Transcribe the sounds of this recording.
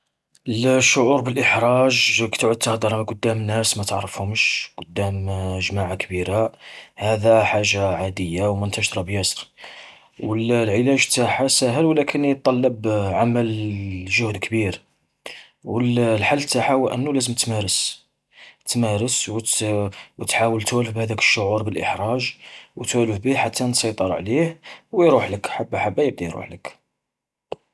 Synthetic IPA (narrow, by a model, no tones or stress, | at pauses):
ʔəlʃːʊʕuɾbəlʔəħɾˤɑʒkt̪ʕʊd̪̚t̪əhd̪ɑɾˤmæqʊd̪ːæmnæsmæt̪əʕɾˤəfhʊmʃqʊd̪ːæməʒmaʕakbiɾahæd̪æħaʒːaʕad̪əjːawmʊnt̪æʃt̪ɾˤɑbjæsɾ | wəllʕəlæʒt̪ːaħasæɦəlwlækʰənjt̪̚ˤːɑlːɑbʕaməlʒʊhd̪kbiɾ | wəllħalːət̪ːaħahuwʔə̰nːulæzəmt̪mæɾəs | t̪mæɾəsw | wt̪ħawəlt̪wæləfbhæd̪ækə̥ʃːʊʕuɾbəlʔəħɾˤɑʒwt̪wæləfbiħat̪ːansˤɑjt̪ˤəɾˤʕlihwjɾuħləkħabːħabːæjəb̚d̪ijɾṵħlək